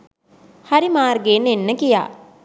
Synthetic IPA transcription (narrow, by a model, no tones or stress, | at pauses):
hɐɾimaːrɡeːnenːəkija̰ː